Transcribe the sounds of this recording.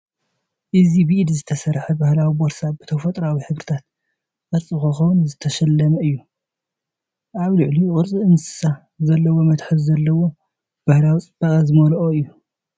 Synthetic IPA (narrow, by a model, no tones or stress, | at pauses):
ʔɨzibɨʔid̪zɨt̪ʰɐsɐɾħɐbahlawiboɾsabɨt̪ʰɐfɐt̪ʼɾawiħɨβɾɨt̪ʰat̪̚ | ʔʼɨɾt͡sʼɨkɐxɐwnzɨt̪ʰɐʃɐlːɐmɐɨjːu | ʔaβlɨʕliqʼɨɾt͡sʼiɨnsɨ̥sa | zɐlːɐwo̞mɐt̪ħɨβzɐlːɐwo̞ | b̥ahlawit͡sʼɨbakʼɐzɨmɐlʔoɨjːu